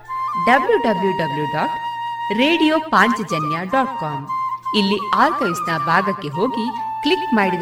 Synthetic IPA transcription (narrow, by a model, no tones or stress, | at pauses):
ɖɐbljuɖɐbljuɖɐbljuɖaːʈɾeːɖijoːpaːɲt͡ʃɐd͡ʒɐnjaɖɔːʈkaːmilːiaːɾkɐjsnɐbʱaːɡɐkːe̞ɦo̞ːɡiklikmaːɽi